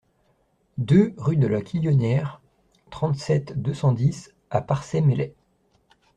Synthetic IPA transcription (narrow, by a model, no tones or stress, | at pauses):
d̪øʁyd̪əlakʰʲijɔnjɛʁ | t̪χɑ̃t̪sɛt̪d̪øsɑ̃d̪is | apaʁsɛmelɛ